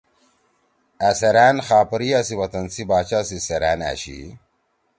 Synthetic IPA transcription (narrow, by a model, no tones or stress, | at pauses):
ɐsɐɾæːnxaːpɐɾiɐsiwɐt̪ɐnsibaːt͡ɕaːsiseɾæ̰ːna̰ɕḭ